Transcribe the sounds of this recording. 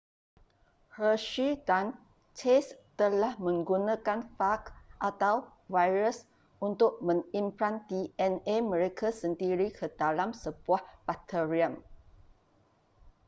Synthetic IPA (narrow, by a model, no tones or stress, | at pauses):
həʃidan | t͡ʃest̪əlahmə̃ŋɡunãkanfakʔat̪aw | vajɾəs | ʔunt̪ʊk̚mə̃ŋimpɾant̪iɛnemə̃ɾekʰasəndiɾikʰədalamsəb̥uahpat̪əɹiəm